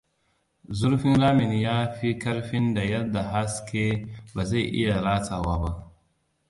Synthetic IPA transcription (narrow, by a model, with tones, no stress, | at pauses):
zʊ˦ɾɸi˦nɾa˦mɪ˨ni˦jaː˦ɸi˦kɐ˦ɾɸi˦nda˨jɐ˦da˨ɦa˦ske˦ba˨za˦˨jʔḭ˦ja˨ɾaː˦ta˨wa˦ba˦ʔ